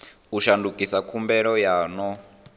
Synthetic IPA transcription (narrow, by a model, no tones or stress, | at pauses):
uʃandukʼisakʰumbɛɺɔjaːnɔ